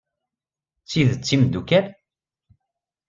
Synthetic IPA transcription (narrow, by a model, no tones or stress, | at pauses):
t͡sːiðət͡sːimd̪ukæn